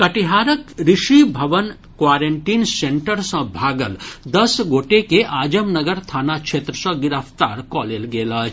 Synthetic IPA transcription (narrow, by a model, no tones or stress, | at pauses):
kɐʈiɦaːɾəkɾɪʃibʱɐʋən | kwaːɾeɳʈiːnsẽɳʈəɾsɐ̃bʱaːɡəld̪ɐsɡoːʈekeʔaːd͡ʒəmnɐɡəɾt̪ʰaːnakʃʰeːt̪ɾəsɐ̃ɡɪɾapt̪a̰ːɾkɔːleːlɡeːlaːt͡ʃ